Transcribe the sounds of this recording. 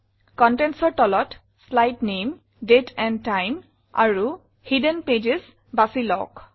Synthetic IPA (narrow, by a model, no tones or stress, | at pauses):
kɔntɛnsɔɹtɔlɔt | slajtnem | detʰɛntajm | a̰ɹu | hidənped͡ʒes | basilɔ̰k